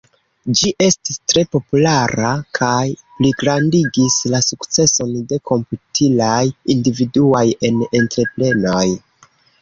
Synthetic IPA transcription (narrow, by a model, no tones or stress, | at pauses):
d͡ʒiʔe̞stistɾe̞po̞pulaɾakʰajpliɡɾandiɡislasukt͡se̞so̞nde̞kʰo̞mputʰilajindividuaje̞nentɾe̞ple̞no̞j